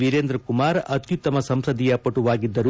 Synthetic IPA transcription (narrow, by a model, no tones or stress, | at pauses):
ʋiɾeːnd̪ɾɐkumaːɾɐt̪ʰjut̪ːɐmɐsɐmsɾɐd̪ijɐpɐʈuʋaːɡid̪ːɐɾu